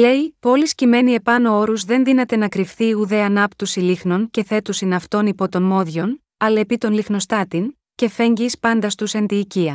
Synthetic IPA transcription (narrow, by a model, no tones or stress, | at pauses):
le̞ipo̞liscime̞nie̞pɐno̞o̞ɾuzðe̞nðinɐt̪e̞nɐkɾifθiuðe̞ɐnɐpt̪usilixno̞nce̞θe̞t̪usinɐft̪o̞nipo̞t̪o̞nmo̞ðʝo̞n | ɐle̞pit̪o̞nlixno̞st̪ɐt̪in | ce̞fe̞ɲɟispɐnd̪ɐst̪usent̪iːciɐ